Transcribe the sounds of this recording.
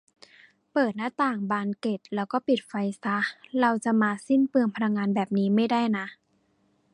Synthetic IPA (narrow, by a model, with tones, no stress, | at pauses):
pɤː˨˩t̪̚naː˧˥˩t̪aː˨˩ŋbaː˧nke˨˩t̪̚lɛː˦˥wkɔː˥˩pi˨˩t̪̚fa˧jsa˦˥la˧wt͡ɕa˨˧˩maː˧si˥˩npɯ˧əŋpʰa˧la˧ŋːaː˧nbɛː˨˩p̚niː˦˥ma˥˩jda˥˩jna˦˥